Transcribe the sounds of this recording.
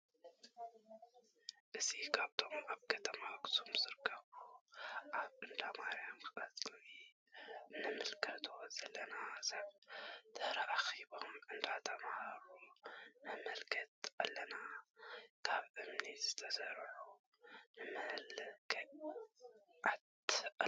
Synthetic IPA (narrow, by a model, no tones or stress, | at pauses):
ʔɨzikʰaβt̪ʰo̞maβkʰɐt̪ʰɐmaɡsʰomzɨɾɨkʰːɐβuʔaβʔɨnd̪amaɾjomkʰɨʔʼɐt̪ʼlni | nɨmɨlkʰɐt̪ʰo̞z̥ɐlːɐnazaβt̪ʰɐhɾɐʔaxiβo̞mʔɨnd̪at̪ʰɐmhaɾumɐmɐlkʰɐt̪̚ʔalːɐna | kʰaβʔɨmnizɨt̪ʰɐsɐɾʕu | nɨmɐlkʰ | ʕat̪